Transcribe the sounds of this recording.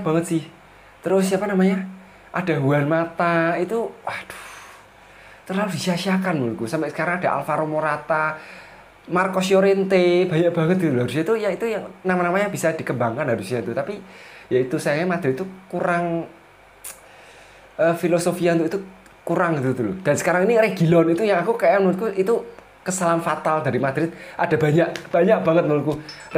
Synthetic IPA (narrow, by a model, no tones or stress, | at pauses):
b̥a̤ŋət̪̚sɪh | t̪əɾʊssiapanamaɲa | ʔa̰d̥a̤ɦuanmat̪ait̪uwahd̪̥u̥ | t̪ərlalud̥isiaʃiakanmulkusampɛʔsə̥kaɾaŋad̥a̤ʔa̰lfaɾomoɾat̪a | markosjoɾent̪eb̥a̤jaʔb̥a̤ŋət̪̚ɡ̥it̪ulɦaɾusiait̪ujait̪ujaŋnamanamaɲab̥isad̪̥i̤kəmbaŋkanɦaɾusianut̪apijait̪usajakamad̪̥ɾɪt̪̚ːukuɾaŋ | əfilosofiaunt̪uit̪u | kuɾaŋɡit̪ud̪ulṵd̥a̤nsə̥kaɾaŋinireɡ̥i̤lɔnit̪ujaŋakukajamnnʊt̪̚kuʔit̪u | kəsalanfat̪ald̥a̤ɾimad̪̥ɾɪt̪̚ʔad̥a̤b̥a̤ɲaʔb̥a̤ɲaʔb̥a̤ŋət̪̚məlut̪ku